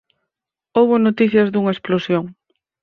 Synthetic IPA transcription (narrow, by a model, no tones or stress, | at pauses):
owβonot̪iθjɐzðuŋɐesplosjoŋ